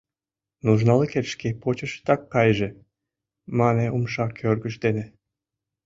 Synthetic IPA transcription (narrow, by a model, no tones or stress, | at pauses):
nuʒnɑleket̪ʃkepot͡ɕəʃt̪ɑkːɑjʒĕ | mɑneumʃɑkʰørɡəʃd̪enĕ